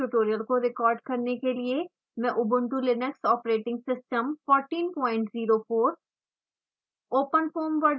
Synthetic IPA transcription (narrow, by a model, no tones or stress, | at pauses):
uʈoːɾijəlkoɾɪkɔːɾɖkɐɾnekelie | mɛ̃ʔʊbʊ̃ɳʈulɪnəksɔːpɾeːʈɪ̃ŋɡsɪsʈəmfɔːɾʈiːnpɔːɪ̃ɳʈziːɾofoːɾ | oːpənfoːmʋəɾɖ